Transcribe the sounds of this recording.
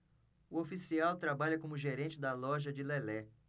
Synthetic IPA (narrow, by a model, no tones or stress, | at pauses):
ʊofisiawt̪ɾabaʎɐkõmʊʒeɾẽnt͡ʃɪd̪ɐlɔʒɐd͡ʒɪlɛlɛ